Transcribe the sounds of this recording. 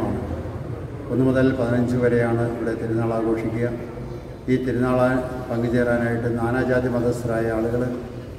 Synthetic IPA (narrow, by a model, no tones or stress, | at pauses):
aːɳɨ | onːɨmɐðɐllpɐðinɐɲd͡ʑɨʋɐɾe̞jaːɳɨiʋiɽe̞t̪iɾunːaːɭaːɡo̞ːʂikʲːuɣɐ | iːt̪iɾunaːɭapɐŋɡiðiːraːnaːjiʈːɨnaːnaːd͡ʑaːd̪jɐmɐd̪ʱɐsɐɾaːjɐaːɭuɣɐɭ